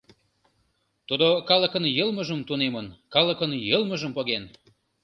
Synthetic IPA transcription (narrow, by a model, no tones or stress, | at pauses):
t̪ud̪okɑlə̆kənjəlməʒəmt̪unemənkɑlə̆kənjəlməʒəmpoɣen